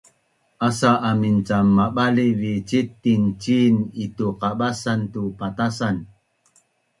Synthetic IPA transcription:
ʔasaʔamint͡samːaɓalivit͡ʃitint͡ʃinituqaɓasantupatasan

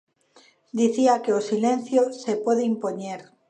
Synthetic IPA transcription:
d̪iθiakeosilẽn̟θjosepoðeimpoɲeɾ

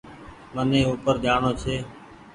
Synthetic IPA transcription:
mənẽːuːpəɾd̪aːɳoːt͡ʃʰeː

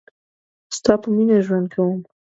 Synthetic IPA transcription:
st̪ɑpəminaʒwand̪̚kʰawəm

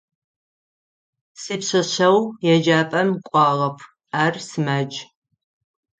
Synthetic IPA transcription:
siːpɕɐɕɐwjɛd͡ʒaːpʼɐmkʷʼɑːʁɐpʰ | aːrsɨmaːd͡ʒʼ

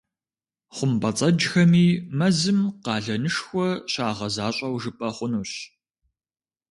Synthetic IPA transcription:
χʷʊmbɐt͡sʼɐd͡ʒxɐmiːmɐzɨmqɑːɮɐnɨʂxʷɔɕaːʁɐzaːɕʼɐwʒɨpʼɐχʷʊnuːɕ

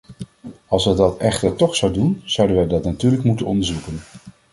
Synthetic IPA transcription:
ɑlˠsʋədɑtɛχtətɔχsawdunz̥ʌwdənʋədɑtnatyːɹləkmutənɔ̰ndəɹzukən

